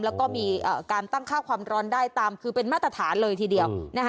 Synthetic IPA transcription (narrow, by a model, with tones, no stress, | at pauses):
mlɛː˦˥wkɔː˥˩miː˧ʔəː˨˩kaː˧nt̪a˥˩ŋkʰaː˥˩wkʰwaː˧mɾɔː˦˥ndaː˥˩jt̪aː˧mkʰɯː˧pe˧nmaː˥˩t̪ːɾa˧t̪ʰaː˩˦nlɤː˧jt̪ʰiː˧di˧əwna˦˥k